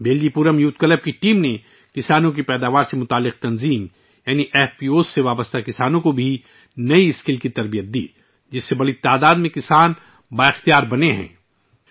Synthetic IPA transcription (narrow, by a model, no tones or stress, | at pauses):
beːld͡ʒipuːɾəmjuːt̪̚kɐləb̚kiʈiːmne | kɪsaːnõk̬ipɛːd̪aːʋaːɾsemʊt̪aːlːɪq̚t̪ɐnziːm | jaːniʔɛːfpiːoːsːeʋaːbəst̪akɪsaːnõkobʱi | nɐiɪskɪlkit̪ɐɾbijət̪̚d̪ḭː | d͡ʒɪsːebɐɽit̪aːd̪aːd̪mẽkɪsaːn | baːɪxt̪ijaːɾbɐneɦɛ̰̃ː